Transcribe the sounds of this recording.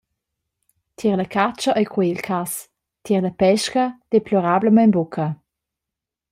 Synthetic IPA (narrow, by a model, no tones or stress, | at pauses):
t̪ʰiʁlɐkʰat͡ʃəʔəjkʰweilkʰas | tʰiʁləpɛʃkəd̥eplɔɾabləmənbukʰɐ